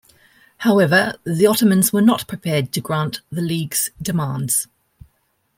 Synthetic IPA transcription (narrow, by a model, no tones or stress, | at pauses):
haʊɛvəðiɒtəmə̃nzwənəʔpʰɹ̥ɪpʰɛːd̚tʰəɡɹɑ̃ˑnʔðəliːɡz̥d̥ɪmɑ̃ːˑndz̥